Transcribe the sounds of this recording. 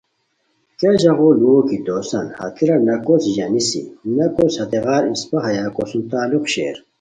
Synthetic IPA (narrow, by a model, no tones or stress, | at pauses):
keʑɐɣoluokid̪oːsɐ̰nhɐ̰t̪ʰiɾɐnɐkosʑɐnisḭnɐkoshɐt̪eɣaːɾispɐɦɐjakosunt̪aːluqɕḛːɾ